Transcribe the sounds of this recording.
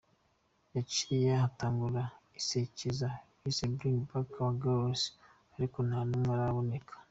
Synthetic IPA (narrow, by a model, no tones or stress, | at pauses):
jat͡ʃiɾijahataːŋɡuɾaiseciza | isebɾiŋɡbakaβaɡaɾos | aɾikonaːnumwaɾaβone̞kʰḁ